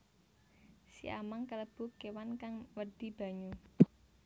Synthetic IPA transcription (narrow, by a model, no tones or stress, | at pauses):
sḭʔa̰maŋkələb̥ukewankaŋwərd̪̥i̤b̥ä̤ɲu